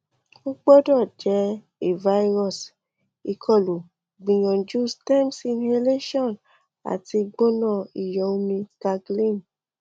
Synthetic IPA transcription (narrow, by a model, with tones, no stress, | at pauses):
o˦k͡pɔ˦dɔ˦˨d͡ʒɛ˨˦ | e˨va˦i˦ɾɔ˦˨s | i˨kʰɔ˦˨lu˨ | ɡ͡bĩ˨jɔ̃˨d͡ʒu˦stɛ˦msi˧ne˦˧le˦ʃɔ˦˨n | a̰˨ti˧ɡ͡bo˦nɔ̃˦˨i˨jɔ˨˦u˦mĩ˧ka˧ɡlĩ˦˨n